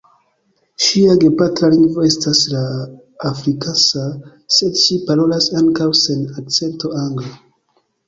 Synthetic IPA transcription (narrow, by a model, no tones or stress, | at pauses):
ʃiaɡe̞patɾaliŋɡvo̞e̞staslaː | fɾikasa | se̞dʃipaɾo̞lasaŋkawse̞nak̚t͡se̞nto̞aŋɡla